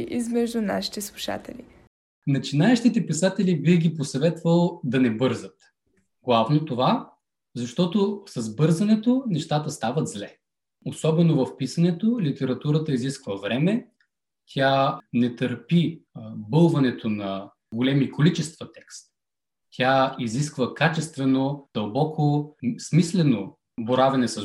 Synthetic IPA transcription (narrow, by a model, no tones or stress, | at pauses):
ḭzmɛʒd̪ʊna̰ʃi̥t̪ɛslˠuʃa̰t̪ɛ̰li | nɐt͡ʃinaɛʃt̪it̪ɛpisat̪ɛlibixɡʲiposɐvɛt̪vəlˠd̪ɐnɛbɤɾzət̪ | ɡlˠavnot̪ova | zɐʃt̪ɔt̪osɐzbɤɾzɐnɛt̪onɛʃt̪at̪əst̪avəd̪zlɛ | osɔbɛnovɐfpisɐnɛt̪olit̪ɛɾɐt̪uɾət̪əiziskvəvɾɛmɛ | t̪ʲʰanɛt̪əɾpibɤlˠvɐnɛt̪ʰonɐ | ɡolɛmikʰolit͡ʃɛst̪vət̪ɛkst̪ | tʲjaiziskvəkat͡ʃɛst̪vɛnod̪̥ɐlˠbɔkʰosmislɛno | boɾavɛnɛsɐ